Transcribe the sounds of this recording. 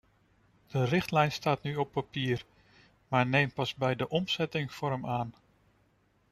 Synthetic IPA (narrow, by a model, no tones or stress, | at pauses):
d̥ərɪχtlɛjnstaːtnyɔpːapiːr | maːɹnejmpɑzbɛjdəʔɔmsɛtɪŋfʊɾəmaːn